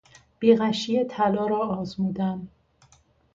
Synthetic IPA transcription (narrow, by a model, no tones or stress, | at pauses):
b̥iːɣæʃijet̪ʰælɒːɾɒːɒːzmuːd̪æm